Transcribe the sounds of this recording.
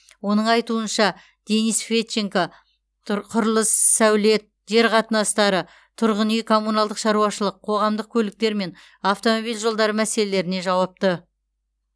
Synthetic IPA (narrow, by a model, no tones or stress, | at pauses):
wo̞nəɴɑjt̪uənʃɑ | d̪̥e̞nisfet̪ʃeŋka | qʰʊɾəlˠəsːæwle̞t̪̚ʒ̥e̞ɾqʰɑt̪ənɑst̪ɑɾə | t̪ʰʊɾʁənijkʰo̞munɑlˠd̪əqʃɑɾuɑʃəlˠəqʰːo̞ʁɑmd̪əq̚kʲʰɵlɪk̚t̪e̞ɾme̞n | aft̪o̞mo̞bijlʲʒo̞lˠd̪ɑɾəmæse̞le̞le̞ɾɪne̞ʒɑwɑp̚t̪ə